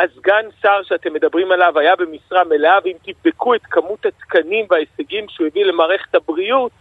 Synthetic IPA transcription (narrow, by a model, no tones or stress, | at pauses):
azɡansaʁʃeat̪e̞mːe̞d̪abʁimalavajabe̞misʁame̞leavimt̪ivd̪e̞kue̞t̪kamut̪hat̪kanimveaeseɡimʃujevile̞maːʁe̞χe̞̥t̪habʁiut̪̚